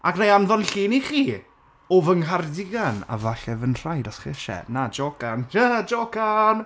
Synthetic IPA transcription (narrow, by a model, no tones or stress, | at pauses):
aknajanðɔnɬiːniχiː | ɔvəŋɦardɪɡana̰vaɬɛvənr̥ajdɔsχɪ̰ʃɛ̰nad͡ʒoɡanad͡ʒokan